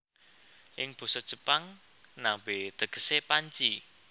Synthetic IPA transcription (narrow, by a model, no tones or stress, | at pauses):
ʔɪŋb̥o̤sɔd̥ʒ̥ə̤paŋ | nambet̪əɡ̥ə̤̥sepaɲt͡ʃi